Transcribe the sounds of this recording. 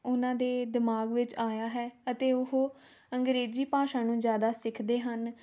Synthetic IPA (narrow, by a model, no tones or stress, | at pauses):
ʊnãːd̪eːd̪ɪmaːɡʋɪt͡ʃaːjaːɦɛːət̪eːʊɦoː | əŋɡɾeːziːpaːʃãːnũːzjaːd̪aːsɪkʰd̪eːɦən